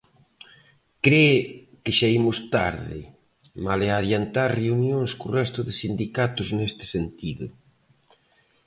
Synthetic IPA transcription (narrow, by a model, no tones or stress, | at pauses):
kɾe | kɪʃaimʊst̪a̰ɾðɪ̰ | maleaːðjant̪aɾreunjoŋskorɛst̪ʊðɪsind̪ikat̪ʊznest̪ɪ̥sent̪iðʊ̰